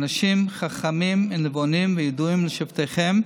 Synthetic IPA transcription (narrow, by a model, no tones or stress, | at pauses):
naʃimχaχamimnevonimvɛjeduimləʃivt̪ejχem